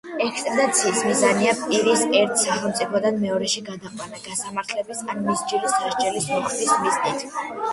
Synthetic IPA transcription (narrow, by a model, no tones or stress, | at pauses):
ɛkst̪ʼɛd̪at̪sʰiːsmizaniapʼiɾisɛɾt̪ʰsaχɛlˠmt̪sʼipʰɔd̪anmɛɔɾɛʃiɡad̪aqʼwanaɡ̥asamaɾt̪ʰlɛbisanmisd͡ʒilisːaʃt͡ʃʼɛlismɔχismiznit̪ʰ